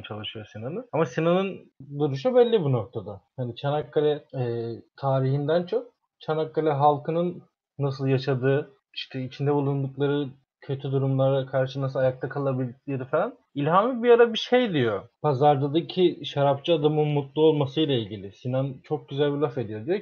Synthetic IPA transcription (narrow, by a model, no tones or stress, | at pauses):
t͡ʃʰalˠɯʃɯjo̞sinanɯnamasinanɯnd̪uɾuʃ̬ubɛlʲːibuno̞k̚t̪ʰad̪ahanit͡ʃʰanakːalʲɛɛt̪ʰaːɾiɦind̪ænt͡ʃʰo̞k̚ | t͡ʃʰanakːalʲɛɦalˠkʰɯnɯnː | as̬ɯlˠjaʃad̪ɯː | iʃt̪ʰɛit͡ʃʰind̪ɛbulˠund̪uklˠaɾɯ | cʰø̞t̪ʰyd̪uɾumlˠaɾakʰaɾʃɯnas̬ɯlˠajak̚t̪ʰakʰalˠabilʲd̪icʲlʲeɾifalʲan | ilʲhamibijaɾabiʃe̞jd̪ijo̞pʰazaɾd̪ad̪ɯcʰiʃaɾapt͡ʃɯad̪amɯnmut̪lˠuolˠmasɯjlˠailʲɟilʲisinant͡ʃʰo̞k̚ɟyzælʲbilʲˠafe̞d̪ijo̞d̪ijo